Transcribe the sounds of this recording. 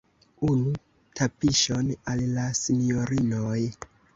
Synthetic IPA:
unu | tʰapiʃonallasinioɾinoj

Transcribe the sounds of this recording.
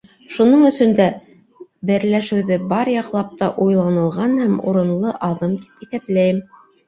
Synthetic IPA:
ʃunɤɴɵ̆sɵ̆nd̪æ | bɘ̆ɾlæʃɘ̆wðɘbɑɾjɑqlˠɑp̚t̪ɑʔujlˠɑnɤ̆lˠʁɑnhæmṵɾɤ̆nlˠɤʔɑðɤmt̪i̥piθæplæjɘm

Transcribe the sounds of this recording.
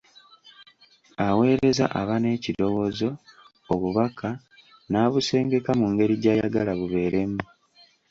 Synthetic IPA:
awe̞ːɾe̞za̰ʔaβane̞ːcido̞wo̞zo̞ | oβuβakʰa | naːβuse̞ːŋɡe̞kamuŋɡe̞ɾiɟaːja̰ɡalaβuβe̞ːɾe̞mu

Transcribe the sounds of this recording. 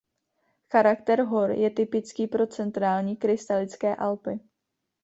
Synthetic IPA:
xaɾakt̪ɛɾɦo̞ɾjɛt̪ɪpɪt͡skiːpɾo̞t͡sɛnt̪ɾaːlɲiːkɾɪst̪alɪt͡skɛːʔalpɪ

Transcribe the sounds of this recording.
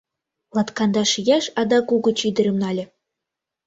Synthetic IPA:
lˠɑt̪kɑnd̪ɑʃijæʃɑd̪ɑkuɡɤ̆t͡ɕid̪ɘ̆ɾʲɘ̆mnɑlʲɘ̆

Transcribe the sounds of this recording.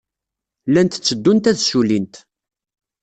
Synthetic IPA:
lænt̪t͡sːəd̪ːunt̪æðsulint̪

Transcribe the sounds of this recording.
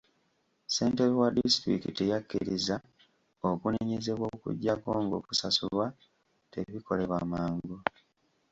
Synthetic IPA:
se̞ːnte̞βiwadistɾḭkitejakːḭɾiza | okuneɲe̞ze̞βwo̞kṵɟːako̞ːŋɡo̞̰ku̥sasulwa | te̞βikʰo̞le̞βwamaːŋɡu

